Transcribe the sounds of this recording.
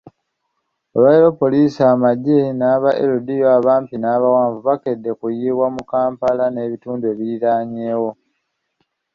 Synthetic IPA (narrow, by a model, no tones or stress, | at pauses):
aβaeɾo̞po̞liːsaːmaɟenaːβaʔḛɾudijoaːβaːmpinaːβawaːɱvuβake̞dːe̞kujiːβwamukaːmpalane̞ːβituːndue̞βiiɾaːɲe̞ːwo̞